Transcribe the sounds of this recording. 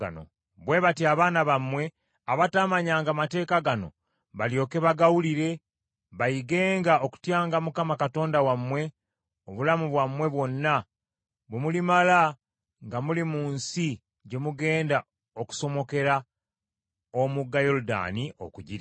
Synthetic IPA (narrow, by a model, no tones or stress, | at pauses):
no̰ | βwe̞βatiaβaːnaβamwe̞ | aβataːmaɲaːŋɡamate̞ːkaɡano̞̰ | βaljo̞ːke̞βaɡawuliɾe̞ | βajiɡe̞ːŋɡaoku̥tjaːŋɡamukamakato̞ːndawamwe̞ | oβulamuβwamwe̞βwo̞nːa | βwemulimala | ŋɡamulimuːnsi | ɟe̞muɡe̞ːnda | o̞ku̥so̞mo̞ke̞ɾa | omuɡːajo̞luda̰niʔo̰kuɟiɾ